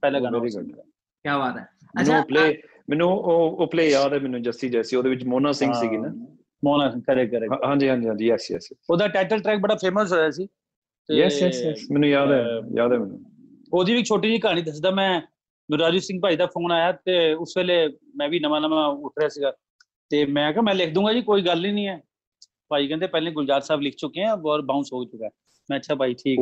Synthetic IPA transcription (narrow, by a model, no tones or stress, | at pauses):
pɛːlãːɡaːnːɾiɡəl | kjaːʋaːt̪ɛ | mːnũːpleː | mɛ̃ːnũːoːoːpleːjaːd̪ɛːmɛːnũːd͡ʒəst̪iːd͡ʒɛːsiːoːd̪eːʋɪt͡ʃmoːnaːsɪ̃ŋɡsiːɡiːnaː | moːnaːsɪ̃ŋɡkəɾɛːkəɾeːɦãːɲd͡ʒiːɦãːɲd͡ʒiːãːd͡ʒiɛːsiɛ̰ːsiːoːd̪aːʈɛːʈəlʈɾɛːk̚bəɽaːpʰeːməsɦoːjaːsiː | t̪ejɛjɛsjɛsmɛːnũːjaːd̪ɛːja̰ːd̪ɛːmɛːnũː | oːd̪iːʋiːt͡ʃʰoːʈiːd͡ʒiːkɦaːɽ̃ĩːd̪əs̬d̪aːmɛ̃ː | nʊɾaːd͡ʒuːsɪ̃ŋɡ̚paːiːd̪aːpʰoːnaːjaːt̪eːʊsʋeːleːmɛ̃ːʋiːnəmãːnəmãːʊʈʰɾeaːsiːɡaː | t̪eːmɛ̃ːkɛmɛ̃ːlɪkʰd̪ũːŋɡaːd͡ʒiːkoːiːɡəlːĩːnĩːɛː | paːiːkɛ̃ːnd̪eːpɛːlẽːɡʊd͡ʒaːɾsaːblɪkʰt͡ʃʊkeãːɔːɾbaːũsoːɡt͡ʃʊkaː | mɛ̃ːətːʃʰaːpaːiːʈʰiːk